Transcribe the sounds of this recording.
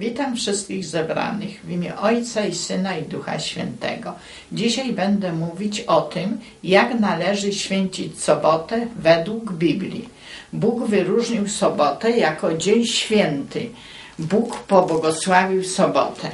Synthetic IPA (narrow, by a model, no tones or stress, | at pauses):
vʲit̪amfʂɘst̪̚kʲiɣzɛbɾa̰nɘɣvʲimʲjɛʔɔjt̪saisɘnaid̪uxa̰ɕfʲjɛ̰nt̪ɛ̰ɡɔ | d͡ʑiɕajbɛnd̪ɛmuvʲit͡ɕɔt̪ɘm | jaknalɛʐɘɕfʲjɛɲt͡ɕit͡ɕsɔbɔt̪ɛvɛd̪wuɡbʲiblʲḭ | buɡvɘɾuʐɲiwsɔbɔt̪ɛjakɔd͡ʑeɲɕfʲjɛnt̪ɘ | bukpɔbwɔɡɔswavʲiwsɔbɔ̰t̪ʰɛ